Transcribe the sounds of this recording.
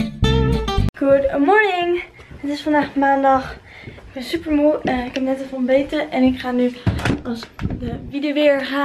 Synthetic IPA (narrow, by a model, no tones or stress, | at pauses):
ɡ̥udɡʊmɔɹnɪŋ | ətɪsfɑndaːχmaːndɑχ | ɪɡ̚bɛnsypəɹmuɪkɛpnɛtəvɔlˠbejtəʔɛnɪkχaːnyɑsdəvidʋɪɹχaː